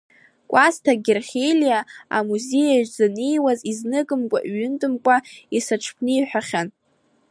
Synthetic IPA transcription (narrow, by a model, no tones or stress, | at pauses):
kʷʼastʰaɡʲerχʲelijaa̰muze̞jaʒzanejwaziznɨkʼɨmkʷʼa̰ʔɥʏntʼɨmkʷʼaisaʈ͡ʂʰpʰnɨjħᶣaχʲan